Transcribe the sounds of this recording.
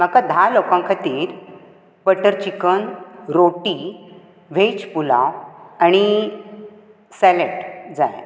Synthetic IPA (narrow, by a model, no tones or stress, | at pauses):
m̤akad̪ʱalokãŋkʰat̪iːɾ | bəʈəɾt͡ɕikənɾoʈi | ʋ̤et͡ɕpula̰añi | sɛleʈd͡za̰j